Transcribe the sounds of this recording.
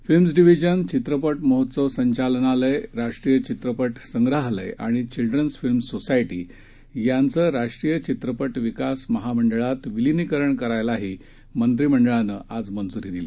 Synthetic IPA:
filmsɖiʋid͡ʑənt͡ɕit̪ɾəpəʈməɦot̪səʋsəɲt͡ɕalnaləjɾaʂʈɾijət͡ɕit̪ɾəpəʈsəŋɡɾaɦlə̰jʔa̰ɽ̃it͡ɕilɖɾənsfilmsosajʈiː | jant͡səːɾaʂʈɾijət͡ɕit̪ɾəpəʈʋikasməɦaməɳɖɭat̪ʋilinikəɾəɳkəɾajlaɦiː | mənt̪ɾim̤əɳɖəɭanəʔad͡zmənd͡zuɾid̪ili

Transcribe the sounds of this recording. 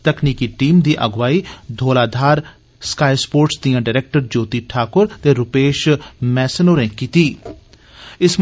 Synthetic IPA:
t̪əkʰniːkiːʈiːmd̪iːʔəɡʋaːiːd̪ʱoːlaːd̪ʱaːɾ | skaːispoːɾʈsd̪iːãːɖaːɾɛːk̚ʈəɾd͡ʒoːt̪iːʈʰaːkʊɾt̪eːɾʊpeːʃmɛːsənoːɾɛ̃ːkiːt̪iː | ɪsm

